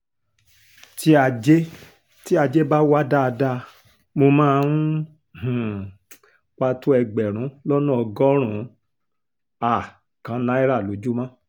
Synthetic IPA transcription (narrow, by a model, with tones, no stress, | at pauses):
ti˦a˧d͡ʒe˦ | ti˦a˧d͡ʒe˦ba˦wa˦da˦˧da˧ | mo˧mãː˦˧u˦ | h̩˨ | ka˧to˦ɛ˧ɡ͡bɛ˨ɾ̃ũ˨˦lɔ˦nũ˦ɔ˧ɡɔ˦ɾ̃ũ˨˦ | a˨ | kã˨˦nã˦i˦ɾa˦˨lo˨˦d͡ʒu˦mã˦